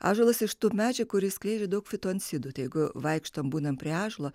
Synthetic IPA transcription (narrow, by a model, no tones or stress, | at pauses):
ɑ̰ːʒolˠɐsɪʃt̪uːmʲæːd͡ʒʲɛkʊɾʲɪsʲklʲɛɪd͡ʒʲed̪ɐʊkfʲɪt̪uɐnt̪ʲsʲɪd̪uːt̪ɐɪjɛɪɡʊʋɐɪkʃt̪oːmbuːnɐmpʲɾʲiɛɑːʒlˠoː